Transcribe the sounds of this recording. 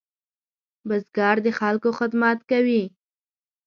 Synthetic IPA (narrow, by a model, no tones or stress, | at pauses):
bəzɡɑɾd̪əxalkoxɪd̪mat̪kawi